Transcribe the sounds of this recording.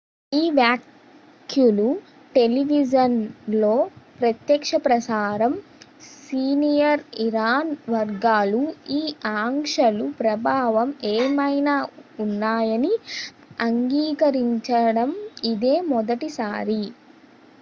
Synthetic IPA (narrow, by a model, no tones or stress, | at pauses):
iːʋjaːkʰ | julu | ʈe̞liʋid͡ʒɐnlo̞ːpɾɐt̪jɐkʂɐpɾɐsaːɾɐmsiːnijɐɾiɾaːnʋɐɾɡaːluiːaːŋʂɐlupɾɐbʱaːʋɐmeːmɐjnaːunːaːjɐni | ɐŋɡiːkɐɾiɲt͡ʃɐɽɐmid̪e̞ːmɔd̪ɐʈisaːɾi